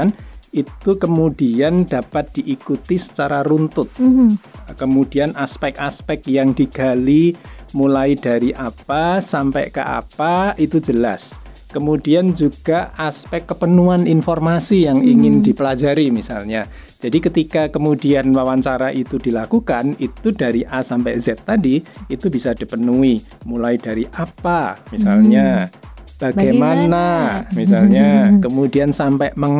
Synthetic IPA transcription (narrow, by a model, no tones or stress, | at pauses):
nit̪ukəmud̥iand̥apat̪̚d̥iʔikut̪isə̥t͡ʃaɾaɾunt̪ʊt̪̚ | kəmud̥ianʔaspɛkaspɛk̚jaŋd̥iɡ̥a̤limulaid̥aɾiʔapasampɛ̰ʔkə̰ʔa̰paʔit̪ud͡ʒəla̰s | kəmud̥iand͡ʒuɡ̥aaspɛkːəpənuaninfɔrmasijaŋiŋɪndipəlad͡ʒaɾimisalɲa | d͡ʒ̥adikət̪ikakəmudianwawaɲt͡ʃaɾaʔit̪ud̥ilakukanit̪udaɾiʔasampɛʔzɛt̪ːadiit̪ubisad̥i̤pənui | mulaidaɾiʔapamisalɲa | b̥aɡajmanamisalɲakəmudiansampɛʔməŋ